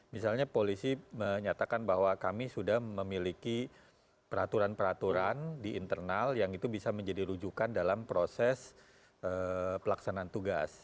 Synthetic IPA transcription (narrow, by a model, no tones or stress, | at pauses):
misalɲapolisiməɲat̪akanbaɦwakamisudahməmiliki | pəɾat̪uɾanpəɾat̪uɾandiʔːnt̪ərnaljaŋit̪ubisaməɲd͡ʒadiɾud͡ʒukandalampɾosɛs | əpəlaksanaːnt̪uɡa̰s